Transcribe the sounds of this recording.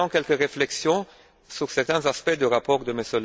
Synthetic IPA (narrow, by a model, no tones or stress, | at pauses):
ɑ̃kʲɛlkəʁeflɛksjɔ̃ | syʁsɛʁt̪ɛ̃zaspɛd̪əʁapɔʁd̪əməsøl